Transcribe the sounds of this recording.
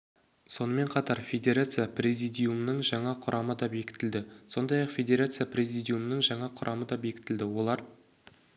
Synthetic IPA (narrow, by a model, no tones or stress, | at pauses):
so̞nəme̞ɴqʰɑt̪ɑɾfʲe̞d̪ʲe̞ɾat̪sɨjaprʲe̞zijd̪ijumnəɴʒɑɴɑqʰʊɾʔɑməd̪ɑbe̞kʲɪ̥t̪ɪld̪ɪso̞nd̪ɑjɑqfʲe̞d̪ʲe̞ɾat̪sɨjaprʲe̞zijd̪ʲijumnəŋʒɑɴɑqʰʊɾʔɑməd̪ɑbe̞kʲɪ̥t̪ɪld̪ɪwo̞lˠɑɾ